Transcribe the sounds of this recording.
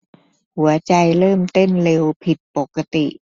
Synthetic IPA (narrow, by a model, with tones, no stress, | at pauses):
hu˩˦ɐt͡ɕa˧jlɤː˥˩mt̪e˥˩nle˧wpʰi˨˩t̪̚po˨˩kːa˧t̪i˨˩ʔ